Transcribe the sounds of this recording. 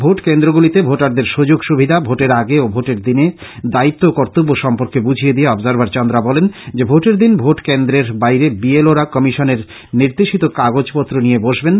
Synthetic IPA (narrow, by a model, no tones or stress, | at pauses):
bʱoʈkend̪ɾoɡulit̪ebʱoʈaɾd̪eɾʃud͡ʑoɡʃubʱid̪ʱabʱoʈeɾaɡeobʱoʈeɾd̪ined̪ait̪ːokɔɾt̪obːoʃɔmpoɾkebud͡ʑʱijed̪ieɔbzaɾbaɾt͡ɕɔnd̪ɾabɔlend͡ʑebʱoʈeɾd̪inbʱoʈkend̪ɾeɾbajɾebieloɾakɔmiʃoneɾ | niɾd̪eʃit̪okaɡod͡ʑpɔt̪ːɾonijeboʃben